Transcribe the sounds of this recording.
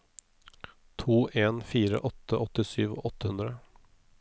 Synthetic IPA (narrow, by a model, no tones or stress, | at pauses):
t̪ʰuːʔeːnfiːɾə̰ʔɔt̪ːəʔɔt̪ɪsyːʋo̰ːɔt̪ːəhʉnd̪ɾə